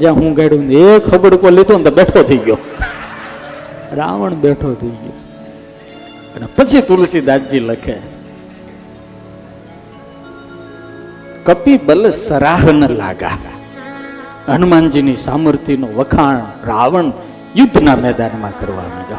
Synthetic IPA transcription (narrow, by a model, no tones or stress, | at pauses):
d͡ʒãːɦũːɡaɪɽond̪ekxʰəbəɾkolɪt̪ʰond̪aɓeːʈʰot̪ʰəiɡjoː | ɾa̰ːʋəɳɓeːʈʰot̪ʰəiɡjo̰ | ənepət͡ʃʰit̪ʊlsiːd̪aːd͡ʒd͡ʒiːləkʰeː | kəpibəlsəɾaːɦnəla̰ːɡa̰ː | ənmaːnd͡ʒinisaːməɾt̪inoːʋəkʰaːɳɾaːʋəɳ | jʊd̪ʱːnaːmɛːd̪aːnmãkəɾʋa̰ːʋõ̰ːd͡ʒjo̰ː